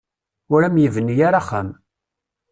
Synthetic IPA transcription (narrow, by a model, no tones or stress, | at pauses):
ʊɾæmjivənːjaɾaχam